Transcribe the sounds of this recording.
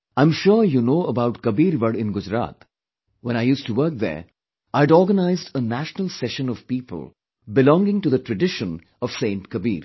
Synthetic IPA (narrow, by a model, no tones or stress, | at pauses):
ãɪ̃mʃujunoːəbaʊʈkəbiːɾʋəɖɪ̃nɡʊd͡ʒɾa̰ːt̪ | wɛ̃naɪjuːsʈuʋəɾk̚d̪ə̰˞ | aɪɖɔːɾɡənaɪzdənæʃnəlˠsɛʃə̃nɔv̥piːpə̰lˠ | bɪlɔ̃ŋɡɪ̃ŋʈud̪əʈɹəɖɪʃə̃n | ɔv̥sẽːnʈkəbḭːɾ